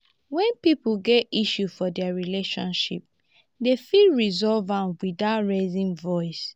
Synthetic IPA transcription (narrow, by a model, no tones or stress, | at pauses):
wɛ̃npipuɡɛtiʃufɔdɛaɹileʃɔ̰̃nʃḭp̚ | defilɹizɔlvãnwidatɹezĩnvɔɪs